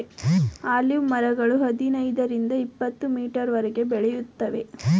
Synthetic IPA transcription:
aːljumɐɾɐɡɐɭuɦɐd̪inɐjd̪ɐɾind̪ɐipːɐt̪ːumiːʈɐɾʋɐɾɛɡe̞bɛɭɛjut̪ːɐʋe̞̰

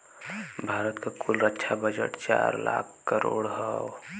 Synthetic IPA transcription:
bʱaːɾət̪kakʰulɾətːʃʰabəd͡ʒəʈt͡ʃaːɾlaːkʰkəɾoːɽɦɔ

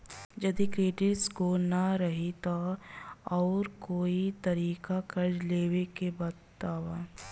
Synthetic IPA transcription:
d͡ʒɐd̪ikɾeːɖɪʈskonaɾɐɦit̪o | ɔːɾkoːit̪ɐɾiːkakɐɾleːwekebɐt̪t̪aːʋaː

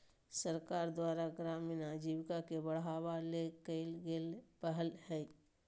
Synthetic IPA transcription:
səɾkaːɾd̪waːɾaɡɾaːmɪnad͡ʒiwkakebəɽ̤ɦaːwalekəlɡelpəɦəlhɛ

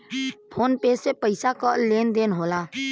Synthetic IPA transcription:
pʰoːnpesepəɪsakəlend̪enɦola

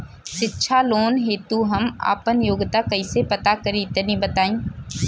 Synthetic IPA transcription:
ʃɪtːʃʰaloːnɦeːt̪uɦɐma̰ːpənjoːɡt̪akɐiːsepɐt̪akəɾit̪ənĩbət̪aːĩː

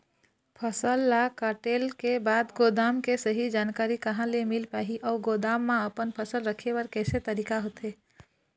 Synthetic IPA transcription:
pʰəsəlːakaʈelkebad̪ɡod̪amkesəɦid͡ʒankaɾikəɦãlemilpaɦiʔɔːɡod̪amːãəpənpʰəsəlɾəkʰeʋəɾkɛːset̪əɾikaɦot̪e

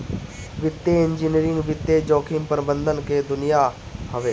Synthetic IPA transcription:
ʋɪt̪ːeɪ̃nd͡ʒiːniɾɪ̃ŋɡʋɪt̪ːed͡ʒoːkʰɪmpəɾbə̃nd̪ʱənked̪ʊnɪja | həʋeː

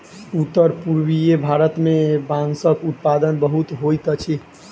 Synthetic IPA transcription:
ut̪ːəɾpuɾwijebʱaɾət̪mebãŋsəkut̪̚pad̪ənbəɦut̪ɦojt̪ət͡ʃʰi

